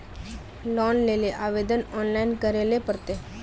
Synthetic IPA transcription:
lɔːnleːleʔaːʋeːd̪ənɔːnlaɪnkəɾelepəɾt̪e

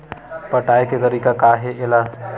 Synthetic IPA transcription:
pɐʈaːeket̪ɐɾiːkakaːɦeʔɪla

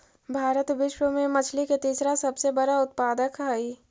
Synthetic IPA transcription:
bʱaːɾət̪ʋɪʃwəmẽmɐt͡ʃʰliket̪iːsɾasɐbsebɐɽaʊt̪̚paːd̪əkʰaːiː

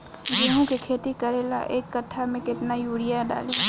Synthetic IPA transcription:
beːɦõkekʰeːt̪ikɐɾeːla̰ʔeːkːɐt̪ʰamẽkɪt̪najuːɽɪjaɖa̰ːle

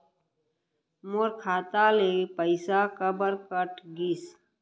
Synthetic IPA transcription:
moɾkʰaːt̪alepəɪsakəbəɾkəʈɡis

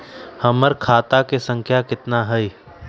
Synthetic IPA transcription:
hɐməɾkʰaːt̪akesə̃ŋkʰjakɪt̪naɦɛj

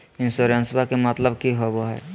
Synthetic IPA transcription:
ɪ̃nsoɾənsbakemət̪ləbkiɦoboɦɛ̰

